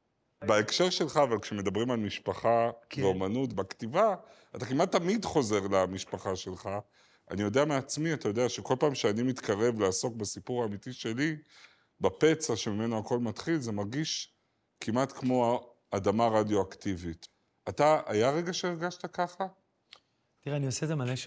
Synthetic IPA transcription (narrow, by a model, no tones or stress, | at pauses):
beekʃe̞ʁʃe̞lχaːvalkʃemed̪abʁimalmiʃpaχabeomanutbaktiva | at̪akimat̪ːamidχo̞ze̞ʁlamiʃpaχaʃe̞lχa | ʔa̰nijo̞deameat͡smiat̪ajo̞deaʃeko̞lpaːmʃeanimit̪kaʁe̞vleasokbasipuʁaːmitiʃe̞li | bape̞t͡saʃemime̞noako̞lmatχilze̞maʁɡiʃ | kimʔatkmo̞a | adamaʁadjo̞aktivit | ataʔajaʁe̞ɡaʃeiʁɡaʃtakaχa | t̪iʁeaniosezemalaʃ